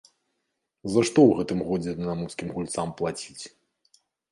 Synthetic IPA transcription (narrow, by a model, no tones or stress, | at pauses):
zɐʂt̪ɔwɣɛt̪ɨmɣɔd͡zʲɛd̪namuskʲimɣulʲt̪samplˠat͡sʲit͡sʲ